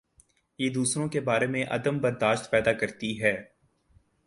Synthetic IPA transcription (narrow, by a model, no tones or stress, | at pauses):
jeːd̪uːsɾõkebaːɾemẽʔɐ̰d̪əmbɐɾd̪aːʃt̪pɛːd̪akɐɾt̪iɦɛː